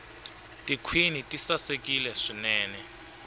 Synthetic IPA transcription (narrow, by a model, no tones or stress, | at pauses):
tʼikʰwinitʼisasekʼilɛʂinɛːnɛ